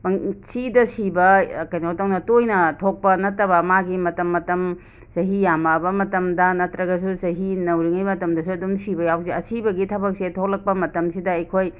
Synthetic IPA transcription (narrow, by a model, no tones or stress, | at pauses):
bɐŋsidɐsibɐkɐjnɐhotɐwnɐtojnɐtʰok̚pɐnɐtːɐβɐmaɡimɐtɐmːɐtɐm | sɐɦijamɐbɐmɐtɐmdɐnɐtɾɐɡɐsusɐɦinɐwɾiŋɐjmɐtɐmdɐsuɐdumsibɐjawksiɐsibɐɡitʰɐbɐk̚setʰok̚lɐk̚pɐmɐtɐmsidɐɐjkʰoj